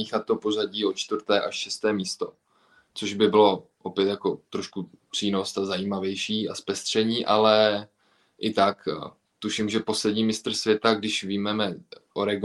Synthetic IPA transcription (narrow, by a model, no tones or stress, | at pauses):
ixat̪ːopo̞zaɟiːot͡ʃt̪vr̩t̪ɛːʔaʃʃɛst̪ɛːmiːst̪o̞ | t͡soʒbɪbɪlo̞ʔopjɛt̪jako̞t̪ɾoʃku | pr̥iːno̞st̪azajiːmavjɛjʃiːaspɛst̪r̝̥ɛɲiːʔalɛ | ʔɪt̪ak | t̪uʃimʒɛpo̞slɛdɲiːmɪst̪r̩svjɛt̪aɡdɪʃviːmɛmɛʔoɾɛɡ